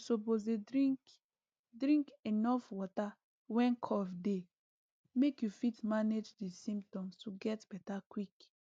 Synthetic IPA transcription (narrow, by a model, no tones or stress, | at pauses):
sopozedɾik | dɹĩŋkenɔfwɔta | wɛ̃nkʰɔvde | mekjufitmaned͡ʒdisĩmtɔ̃mstuɡɛtb̥ɛtakwik